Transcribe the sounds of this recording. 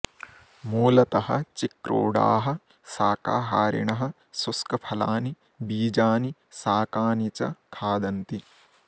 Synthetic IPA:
moːlɐt̪ɐhɐ̰̆t͡ʃikɾo̰ːɽa̰ːɦɐ̆ | saːkaːɦaːɾḭɳɐɦɐ̆ | suskɐpʰɐlaːni | biːd͡ʒaːnisaːkaːnit͡ʃɐ̰kʰaːd̪ɐnt̪i

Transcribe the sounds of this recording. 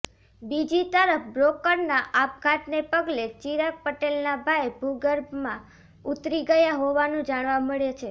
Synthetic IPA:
bid͡ʒit̪əɾəfbɾokəɾnaʔap̚ɡʰat̪nepəɡlet͡ʃiɾak̚pəʈelnabʱaebʱuɡəɾbmã | ut̪ɾiɡəjaɦoʋanũd͡ʒaɽ̃ʋaməɭjet͡ʃʰe

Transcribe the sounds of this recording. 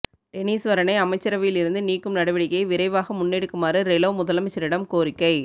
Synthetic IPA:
tɛniːsʋɐɾɐnɐɪɐmɐɪt͡ʃːɐɾɐʋɪjɪlɪɾɯnd̪ɯniːkːɯmnɐɽɐʋɪɽɪkːɐɪʋɪɾɐɪʋaːɣɐmʊnːɛɽɯkːɯmaːɾɯɾɛloːmʊðɐlɐmɐɪt͡ʃːɐɾɪɽɐmkoːɾɪkːɐɪ

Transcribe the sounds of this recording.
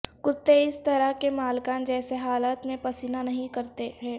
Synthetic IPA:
kʊt̪ːeɪst̪ɐɾəɦkemaːlkãd͡ʒɛːseɦaːlət̪mẽpɐsinanɐɦĩkɐɾt̪eɦɛ̃ː

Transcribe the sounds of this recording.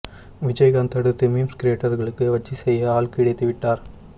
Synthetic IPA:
ʋɪd͡ʒɐjɣɐːnt̪ɐɽɯt̪ːɯmimskɾeːʈːɐɾɣɐɭɯkːɯʋɐt͡ʃːisɛjːɐaːɭkɪɽɐɪt̪ːɯʋɪʈːaːɾ

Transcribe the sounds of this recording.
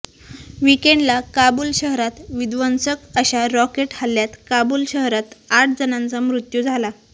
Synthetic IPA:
ʋikeɳɖlakabulɕəɦɾat̪ʋid̪ʋənsəkəɕaɾɔkeʈhalːjat̪kabulɕəɦɾat̪aʈʰd͡zənãnt͡samɾut̪jud͡zʱala

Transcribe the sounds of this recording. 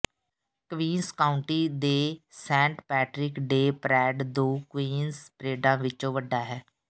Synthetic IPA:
kʋiːnskaːʊɳʈiːd̪eːsɛ̃ːɳʈpɛːʈɾɪkɖeːpɾɛːɖd̪oːkʋiːnspɾeːɖãːʋɪt͡ʃõːʋəɖːaːɦɛː

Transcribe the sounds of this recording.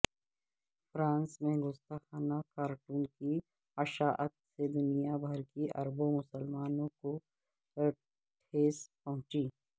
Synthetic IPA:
fɾãːnsmẽɡʊst̪axaːnakaːɾʈuːnki | ɐʃaːʔət̪sed̪ʊnijabʱɐɾkiʔɐ̰ɾbõmʊsəlmaːnõko | ʈʰeːspɐɦʊ̃t͡ʃiː

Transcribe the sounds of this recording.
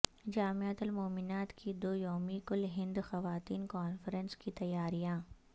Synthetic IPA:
d͡ʒaːmeət̪ʊlmoːmɪnaːt̪kʰid̪oːjoːmikʊlɦɪ̃nd̪xɐʋaːt̪iːnkaːnfəɾə̃nskit̪ɐjaːɾijãː

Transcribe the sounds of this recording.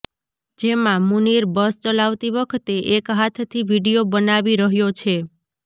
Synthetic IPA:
d͡ʒemãmuniɾbəst͡ʃəlaʋt̪iʋəkʰt̪eʔekɦat̪ʰt̪ʰiʋiɽijobənaʋiɾəɦjot͡ʃʰe

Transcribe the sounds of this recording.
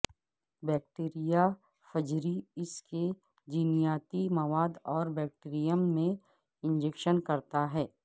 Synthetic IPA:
bɛːk̚ʈeːɾija | fɐd͡ʒɾiɪske | d͡ʒinijaːt̪imɐʋaːd̪ɔːɾbɛːk̚ʈeɾijəmːẽ | ɪ̃nd͡ʒekʃənkɐɾt̪aɦɛː

